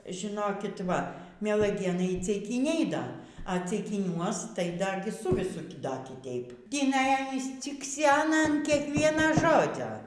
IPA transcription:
ʒʲɪˈnoːkʲɪt ˈʋɐ mʲiɛlˠɐˈɡʲeːnɐɪ iː t͡sʲɛɪˈkʲiːnʲɛɪ ˈdɐ ɐ t͡sʲɛɪkʲɪˈnʲuɔs tɐɪ ˈdɐ ˈsʊ ʋʲɪˈsʊ ˈdɐ kʲɪˈtʲɛɪp tʲiːˈnɐɪ ˈɑːnʲiːs t͡sʲɪkˈsʲæːnɐ ɐn ˈkʲiɛkʋʲiɛnɐ ˈʒoːd͡zʲoː

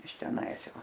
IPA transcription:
ɪʃ tʲɛˈnɐɪs ˈjɛʊ

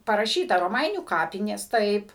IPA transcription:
pɐrɐˈʃʲiːtɐ roːˈmɐɪnʲuː ˈkɑːpʲɪnʲeːs ˈtɐɪp

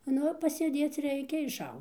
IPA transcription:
ˈnʊ pɐsʲeːˈdʲeːt͡s ˈrʲɛɪkʲɛ ɪʃˈɐʊ

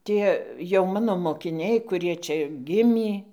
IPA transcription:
ˈtʲiɛ jɛʊ ˈmɑːnoː moːkʲɪˈnʲɛɪ kʊˈrʲiɛ ˈt͡ʃʲɛ ˈɡʲɪmʲiː

